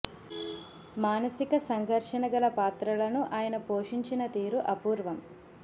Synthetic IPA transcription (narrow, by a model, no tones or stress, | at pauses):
maːnɐsikɐsɐŋɡʱɐɾʂɐnɐɡɐlɐpaːt̪ɾɐlɐnuʔaːjɐnɐpoːʂiɲt͡ʃinɐt̪iːɾuʔɐpuːɾʋɐm